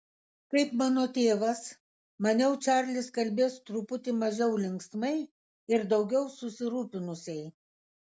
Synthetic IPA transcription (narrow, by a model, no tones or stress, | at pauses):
kɐɪpmɑːnoːt̪ʲeːʋɐs | mɐnʲɛʊt͡ʃʲæɾʲlʲɪskɐlʲbʲeːst̪ɾʊpʊt̪ʲɪmɐʒʲɛʊlʲɪŋksmɐɪ | ɪɾd̪ɐʊɡʲɛʊsʊsʲɪɾuːpʲɪnʊsʲɛɪ